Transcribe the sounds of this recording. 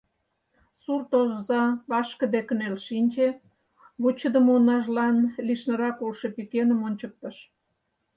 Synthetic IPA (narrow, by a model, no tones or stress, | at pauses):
surt̪oʒzɑβɑʃkə̆d̪ekənelʃinʲt͡ɕe | βut͡ɕəd̪əmonɑʒlɑnliʃnə̆ɾɑkolʃepikenəmonʲt͡ɕək̚t̪əʃ